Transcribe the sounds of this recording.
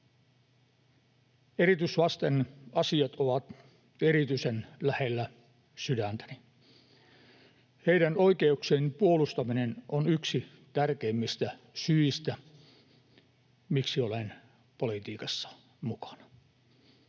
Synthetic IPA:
eɾit̪ysʋɑst̪enɑsiɑt̪oʋɑt̪ | eɾit̪yisenlæhelːæ | sydænt̪æ̥ni | heiɾænoikeukseːnpuolust̪ɑminenonyksi | t̪ærkeimːist̪æ | syist̪æ | miksiolen | polit̪iːkɑsːɑ̥ | mukɑ̥nɑ

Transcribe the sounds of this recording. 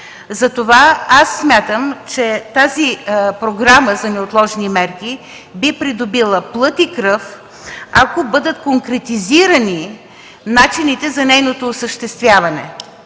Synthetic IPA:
zɐt̪ovaasːmʲjat̪əmt͡ʃɛt̪azipɾoɡɾaməzɐnɛot̪lˠɔʒnimɛɾki | bipɾid̪obilˠəplˠɤt̪ikɾɤf | akobɤd̪ət̪koŋkɾɛt̪iziɾəni | nat͡ʃinit̪ɛzɐnɛjnot̪oːsəʃt̪ɛst̪vʲjavɐnɛ̰

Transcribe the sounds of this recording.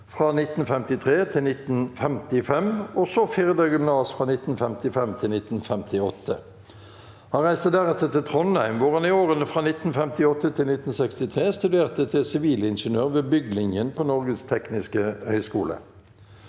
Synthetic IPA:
fʁɑnɪt̪ːn̩fɛmt̪ɪt̪ʰʁeːt̪ʰɪlnɪt̪n̩fɛmt̪ɪfɛmɔsɔfiːʁd̪əɡʏmnɑːsfʁɑnɪt̪n̩fɛmt̪ɪfɛmt̪ʰɪlnɪt̪n̩fɛmt̪ɪɔt̪ʰːə | hɑnʁæɪst̪əd̪æʁɛt̪ːəʁt̪ʰɪt̪ʰʁɔnæɪmʋʊʁhɑnɪoːʁənəfʁɑnɪt̪n̩fɛmt̪ɪɔt̪ːət̪ʰɪlnɪt̪n̩sɛkst̪ɪt̪ʰʁeːst̪ʉd̪eːʁt̪ət̪ʰɪsɪʋiːləɪnʂənøːʁʋeːbʏɡlɪŋjənpʰonɔʁɡəst̪ʰɛknɪskəhœʏskṵːlə̰

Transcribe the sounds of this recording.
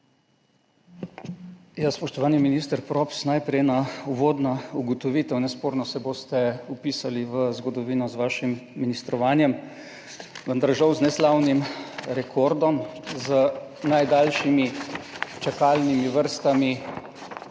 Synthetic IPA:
jaspɔʃt̪ɔʋaːniminist̪əɾpɾɔpsnajpɾɛjnauʋoːd̪nauɡɔt̪ɔʋiːt̪ɛwnɛspoːɾnɔsɛboːst̪ɛupiːsaliʋəzɡɔd̪ɔʋiːnɔzʋaːʃimːinist̪ɾɔʋaːnjɛm | ʋənd̪aɾʒawznɛslawnimɾɛkʰoːɾd̪ɔmzənajd̪aːlʃimi | t͡ʃakaːlnimiʋəɾst̪ami

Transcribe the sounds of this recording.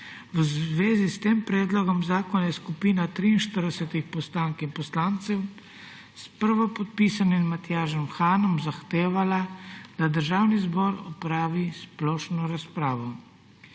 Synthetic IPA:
ʋəzʋeːzist̪eːmpɾɛːd̪lɔɡɔmzaːkɔnajɛskupiːnat̪ɾiːnʃt̪əɾd̪ɛsɛt̪ixpɔst̪aːŋkinpɔslaːnt̪sɛw | spəɾʋɔpɔt̪̚piːsaninmat̪jaːʒɔmxaːnɔmzaxt̪eːʋalad̪̥ad̪əɾʒaːwnizbɔɾɔpɾaːʋisplɔːʃnɔɾaspɾaːʋɔ

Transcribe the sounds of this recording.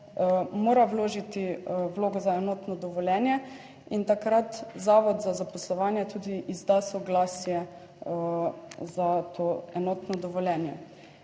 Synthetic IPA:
moːɾawloːʒit̪iwloːɡɔzaɛnɔːt̪nɔd̪ɔʋɔlʲjɛːnjɛ | int̪akɾat̪zaːʋɔd̪zazapɔslɔʋaːnjɛt̪uːd̪iʔizd̪asɔɡlaːsjɛ | zat̪ʰoːɛnɔt̪nɔd̪ɔʋɔljɛnjɛ

